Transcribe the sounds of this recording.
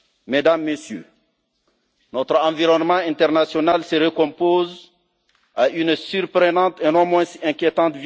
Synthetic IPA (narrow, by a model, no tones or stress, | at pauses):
med̪amːesjø̰ | nɔt̪ɾɑ̃viʁɔnmɑ̃ɛ̃t̪ɛʁnasjɔnalsəʁəkɔ̃poz | aʔynsyɾpɾənɑ̃t̪enɔ̃mwɛ̃ɛ̃kjet̪ɑ̃t̪v